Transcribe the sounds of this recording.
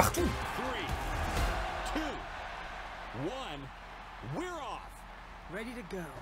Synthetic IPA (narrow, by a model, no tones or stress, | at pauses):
χtəθɹi | tʰu | wʌ̃n | wɪɹɔf | ɹɛɾiɾɨɡoʊ